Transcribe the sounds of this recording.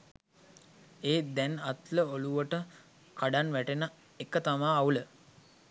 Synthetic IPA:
eːd̪ænat̪ləoluʋəʈə | kaɖanʋæʈenə | ekət̪amaːulə

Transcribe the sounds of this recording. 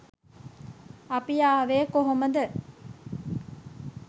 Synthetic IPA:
ɐpijaːʋeːkoɦoməd̪ə

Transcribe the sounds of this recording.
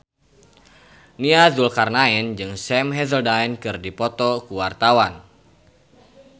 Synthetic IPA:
niadulkarnaɛnd͡ʒɨŋsɛmɦɛðəldaɛnkɨrdipɔt̪ɔkuwart̪awan

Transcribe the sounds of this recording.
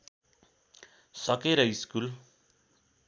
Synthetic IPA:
sʌkeɾʌiskul

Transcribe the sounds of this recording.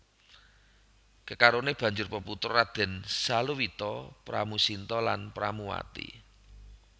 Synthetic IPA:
kəkaɾoneb̥ä̤ɲd͡ʒʊrpəput̪ɔɾad̪̥ɛ̤nsaluwit̪ɔpɾa̰musint̪ɔla̰npɾamuwa̰t̪ḭ

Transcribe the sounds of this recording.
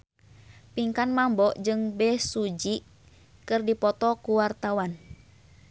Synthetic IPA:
piŋkanmambɔʔd͡ʒɨŋbɛsud͡ʒi | kɨrdipɔt̪ɔkuwart̪awan

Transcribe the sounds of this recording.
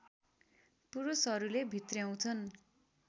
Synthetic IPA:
puɾusɦʌɾulebʱit̪rjaw̃t͡sʰʌn

